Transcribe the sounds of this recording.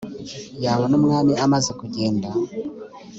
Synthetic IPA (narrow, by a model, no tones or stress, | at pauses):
jaːβonumŋaːmiamazekuɟe̞ːnda